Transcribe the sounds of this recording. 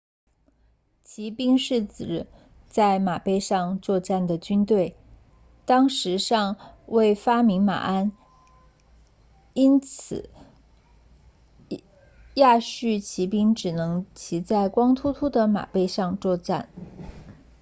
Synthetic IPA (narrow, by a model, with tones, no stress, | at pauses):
t͡ɕʰi˧˥pi˥ŋʂɻ̩˥˩t͡sɹ̩˨˥ | t͡sa˥˩ɪma˨˩pe˥˧ɪʂɑ˥˧ŋt͡swɔ˥˧ʈ͡ʂa˥˩nd̪ə˩t͡ɕy˥nt̪we˥˩ɪ | t̪ɑ˥ŋʂɻ̩˧˥ʂɑ˥˧ŋwe˥˩ɪfa˥mi˧˥ŋma̰˨˩a˥n | i˥nt͡s̩ʰ˨˩ | ja˥˧ɕy˥˩t͡ɕʰi˧˥pi˥ŋʈ͡ʂɻ̩˨˩nɤ˧˥ŋt͡ɕʰi˧˥t͡sa˥˩ɪkwɑ˥ŋt̪ʰu˥t̪ʰu˥d̪ə˨ma̰˨˩pe˥˧ɪʂɑ˥˧ŋt͡swɔ˥˧ʈ͡ʂa˥˩n